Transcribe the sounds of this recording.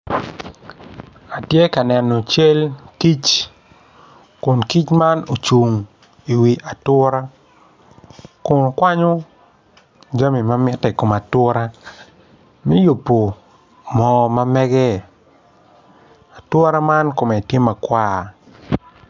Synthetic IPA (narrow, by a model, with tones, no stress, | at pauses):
a˨tje˦ka˨nɛ˨no˨t͡ʃe˦lki˦t͡ʃ | ko˨nki˦t͡ʃma˦no˨t͡ʃu˨ŋ | i˨wi˨ʔa˨twɔ˦ɾa˦ | kʊ˨n˨kwa˦ɲo˦ | d͡ʒa˦mi˨ma˦mɪ˦tːɛ˨ko˨ma˨twɔ˦ɾa˦ | mi˦ju˨pːo˨ | mɔː˨ma˦mɛ˦ɡɛ˦ | a˨twɔ˦ɾa˦ma˦nko˨mɛ˨tje˦ma˨kwa˦